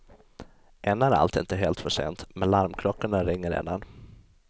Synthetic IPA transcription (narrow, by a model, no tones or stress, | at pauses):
ʔɛnːaæɾa̰lt̪ɪ̰nt̪əɦeːlt̪fœʂḛːnt̪mɛnlaɾmkʰlɔkːaɳaɾɪŋːəɾḛːd̪an